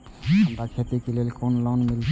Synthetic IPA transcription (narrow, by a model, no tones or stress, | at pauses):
əmɾakʰet̪ikelelkonlonmil